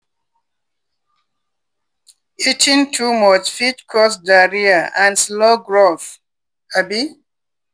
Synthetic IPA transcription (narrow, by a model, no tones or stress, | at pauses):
itʰĩŋtʰumɔt͡ʃfitkʰɔsdaɹiəãnsloɡɹoθ | abi